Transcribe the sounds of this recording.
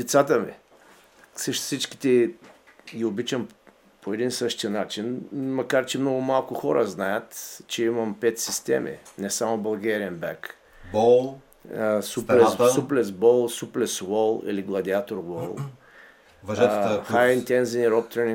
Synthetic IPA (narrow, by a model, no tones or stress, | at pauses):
d̪ɛt̪sat̪əmḭ | səʃsit͡ʃki̥t̪ɛ | ɡʲiobit͡ʃəm | poɛd̪insɤʃt̪iənat͡ʃinmɐkaɾt͡ʃɛmnɔɡʊmalˠkʊxɔɾə̰znajət̪t͡ʃɛimɐmpɛt̪sist̪ɛ̰mʔḭnɛsamʊbɐlˠɡɛɾiənbɛ̰k | bɔlˠ | suplɛssuplɛsbɔlˠsuplɛswɔlˠḭliɡlˠɐd̪iat̪oɾwɔlˠ | vʒxajint̪ɛnziniɾɔp̚t̪ɾɛni